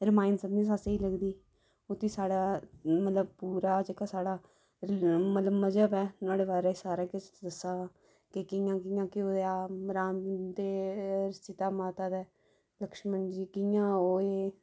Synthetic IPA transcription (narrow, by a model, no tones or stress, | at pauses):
ɾɪmaːɪnsəbnĩːs̬aseiːləɡd̪iː | ot̪iːsaːɽaːmət̪ləb̚puːɾaːd͡ʒeːkaːsaːɽaː | mət̪ləbməd͡ʒəbɛːnaːɽeːbaːɾaːsaːɾaːkɪt͡ʃːd̪əsːaː | kɪkɪjãːkɪjãːkɪoːaːɾaːmd̪eːɾɪst͡ʃɪt̪aːmaːt̪aːd̪ɛː | ləkʃmənd͡ʒiːkɪjãːoːeː